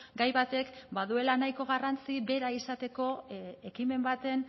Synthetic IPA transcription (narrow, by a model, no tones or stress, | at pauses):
ɡajβat̪e̞kbaðue̞lanajko̞ɣ̞arant͡siβe̞ɾaisat̪e̞ko̞ekime̞mbat̪e̞n